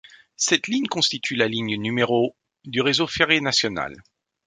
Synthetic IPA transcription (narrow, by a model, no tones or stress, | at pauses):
sɛt̪liɲkɔ̃st̪it̪ʰylaliɲnymeʁo | d̪yʁezofeʁenasjɔna̰l